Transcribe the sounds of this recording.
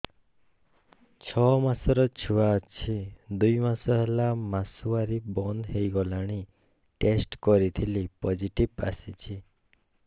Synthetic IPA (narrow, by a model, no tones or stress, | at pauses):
t͡ʃʰɔmasɔɾɔt͡ʃʰuwat͡ʃʰid̪ujmasɔɦelamasuaɾibɔnd̪ɦejɡɔlaɽ̃i | ʈesʈkɔɾit̪ʰilipɔd͡ʒiʈiba̰sit͡ʃʰi